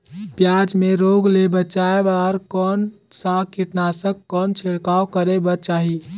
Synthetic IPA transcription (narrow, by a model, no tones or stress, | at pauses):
pjad͡ʒmeɾoɡlebət͡ʃaebaɾkɔn | sakiʈnasəkkːɔnt͡ʃʰeɽkawkəɾebət͡ʃaɦi